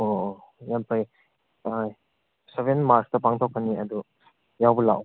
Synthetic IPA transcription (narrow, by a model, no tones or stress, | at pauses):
ojampʰaj | aj | seβenmaɾstɐpaŋtʰokʰːanːiɐd̪u | jawbɐla̰w